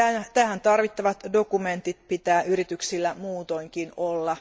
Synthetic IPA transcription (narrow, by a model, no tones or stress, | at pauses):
æt̪æhænt̪ɑrʋit̪ːɑʋɑt̪do̞kument̪it̪̚pit̪æːʔyɾit̪yksilːæmuːt̪o̞iŋkinolːɑ